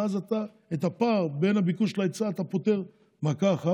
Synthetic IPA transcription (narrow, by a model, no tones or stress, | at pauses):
azat̪a | et̪apaʁbe̞nabikuʃlaet͡saːt̪apo̞te̞ʁ | makaχa